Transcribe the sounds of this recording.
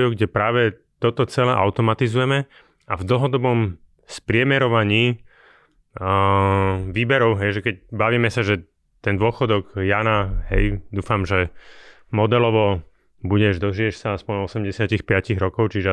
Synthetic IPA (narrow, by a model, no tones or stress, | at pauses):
juɡɟɛpɾaːʋɛ | t̪ɔt̪ɔt͡sɛlɛʔaʊt̪ɔmat̪izujɛmɛ | avd̪l̩ɦɔd̪ɔbɔm | spɾɪɛmɛɾɔʋaɲiː | ʋiːbɛɾɔʊɦɛjʒɛkɛcbaʋiːmɛsaʒɛ | t̪ɛnd̪ʊɔxɔd̪ɔɡjaːnaɦɛjd̪uːfamʒɛ | mɔd̪ɛlɔʋɔ | buɟɛʒd̪ɔʒiɛʃsaaspɔɲɔsɛmɟɛsɪacixpɪaciɣɾɔkɔʊt͡ʃiʒɛ